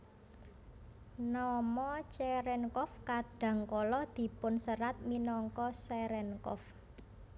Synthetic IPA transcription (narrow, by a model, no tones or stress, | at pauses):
nɔmɔt͡ʃɛɾɛnkɔfkaɖ̥ä̤ŋkɔlɔd̪̥i̤pʊnsəɾat̪̚minɔŋkɔsɛɾɛnkɔ̰f